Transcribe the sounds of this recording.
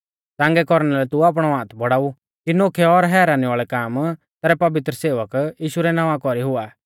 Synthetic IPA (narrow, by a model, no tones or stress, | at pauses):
t̪ãːŋɡɛkɔɾɽ̃ɛlɛt̪uaːp̬ɽ̃ɔãːt̪ʰbɔɽaːu | kinoːkʰɛɔɾɦɛːɾaːniʋaːɭɛkaːm | t̪ɛːɾɛpɐʋɪt̪ɾəseːʋəkjiːʃuɾɛnãːʋãkɔɾiɦʊaː